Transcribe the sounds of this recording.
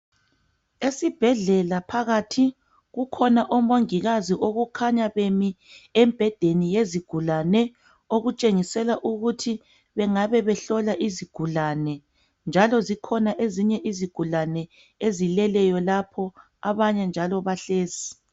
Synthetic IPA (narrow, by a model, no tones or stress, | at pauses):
esib̥ʱɛɮɛlapʰaɣatʰi | ɣukʰɔnaʔɔmoŋiɣaziʔoɣukʰaɲaβemi | ɛmb̥ʱɛd̥ʱenijeziɡ̥ʱulanɛ | oɣut͡ʃʼeŋisɛlaʔuɣutʰi | βɛŋaβɛβɛɬɔlaʔiziɡ̥ʱulanɛ | nd͡ʒʱalɔzikʰɔnaʔeziɲɛʔiziɡ̥ʱulanɛ | ezilɛlɛjɔlapʰɔ | aβaɲɛnd͡ʒʱalɔβaɬeːzi